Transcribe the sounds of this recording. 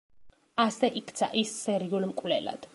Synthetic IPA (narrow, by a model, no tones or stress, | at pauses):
asɛʔikʰt̪sʰa̰ʔisːɛɾiulmkʼwlɛ̰la̰d̪̥